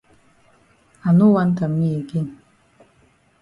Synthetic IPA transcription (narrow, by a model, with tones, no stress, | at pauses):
a˨nu˦wa˦nt̪a˨mːi˦e˨ɡi˦n